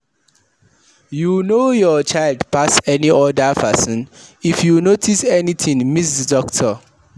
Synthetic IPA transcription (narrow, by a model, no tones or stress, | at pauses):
junojɔt͡ʃʰaɪldpʰasɛniʔɔdapʰɛsɔ̃nifjunotʰisɛnit̪ʰĩŋmis̬dədɔktʰɔ